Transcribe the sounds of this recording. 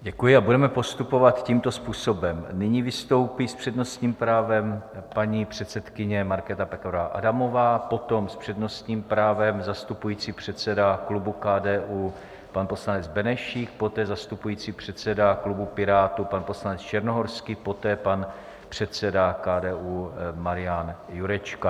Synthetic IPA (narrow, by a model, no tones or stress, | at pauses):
ɟɛkujɪabudɛmɛpo̞st̪upo̞vat̪ciːmt̪o̞spuːso̞bɛmnɪɲiːvɪst̪o̞wpispr̝̥ɛdno̞st̪ɲiːmpɾaːvɛmpaɲipr̝̥ɛt̪t͡sɛt̪kɪɲɛmaɾkɛːt̪apɛkoɾvaʔa̰damo̞vaːpo̞t̪o̞mspr̥ɛdno̞st̪ɲiːmpɾaːvɛmzast̪upujiːt͡siːpr̝̥ɛt̪t͡sɛdaklubukaːdɛːʔuː | panpo̞slanɛd͡zbɛnɛʃiːkpo̞t̪ɛːzast̪upujiːt͡sipr̝̥ɛt̪t͡sɛdaklubupɪɾaːt̪upanpo̞slanɛt͡st͡ʃɛɾnoɦoɾskɪpo̞t̪ɛːpan | pr̝̥ɛt̪t͡sɛdakaːdɛːʔuːmaɾɪjanjuɾɛt͡ʃka